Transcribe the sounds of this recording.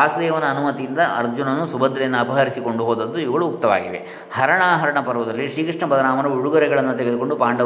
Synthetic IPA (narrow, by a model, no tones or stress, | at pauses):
aːsɐd̪eːʋɐnɐːnumɐt̪ijind̪ɐʔɐ̰ɾd͡ʒunɐnːusubɐd̪ɾɛjɐnːuɐpɐɦɐɾisiko̞ɳɖuɦoːd̪ɐd̪ːuiʋiɡɐɭuːk̚t̪ɐʋa̰ːɡiʋḛ | hɐɾɐɳaːɦɐɾɐɳɐpɐɾɐʋɐd̪ɐlːiʂɾiːkɾiʂɳɐpɐd̪ɐɾaːmɐnɐuɽuɡɐɾɛɡɐɭɐnːut̪eɡed̪uko̞ɳɖupaːɳɖɐ